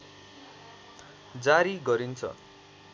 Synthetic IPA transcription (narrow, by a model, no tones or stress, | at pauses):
d͡zaɾiɡʌɾint͡sʰʌ̰